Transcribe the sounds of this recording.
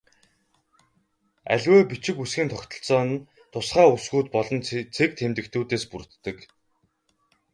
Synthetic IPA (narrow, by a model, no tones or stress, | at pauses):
æ̰ɮʲweːpit͡ɕɪ̆kusɡʲiːnt̪ʰɔkt̪ɞ̆ɬt͡sɔːn | t̪ʰʊsχaːusɡuːt̪̚pɔɮɞ̆nt͡sʰek̚t̪ʰemt̪ɘ̆k̚t̪ʰuːt̪eːspur̆t̪ːə̆k